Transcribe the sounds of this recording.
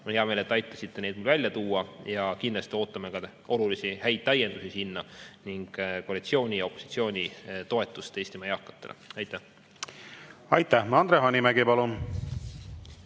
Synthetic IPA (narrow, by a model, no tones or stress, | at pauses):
onheɑmeːle̞t̪ːɑjt̪ːˑɑ̥sit̪ːe̞ned̪mulvælʲjɑt̪uːɑjɑkind̪lɑst̪io̞ːt̪ˑːɑmekɑ | o̞lulisihæjd̪̥̚t̪ːæje̞nd̪usisinːɑniŋɡ̥koːɾit̪sio̞ːnʲio̞pːˑosit̪sio̞ːnʲit̪o̞e̞t̪ːˑust̪e̞ːsʲt̪imɑjɑːkːˑɑ̥t̪ːˑe̞lḛɑjt̪ːˑæh | ɑjt̪ːˑæhɑnd̪ɾeɦɑnimæɡipɑlun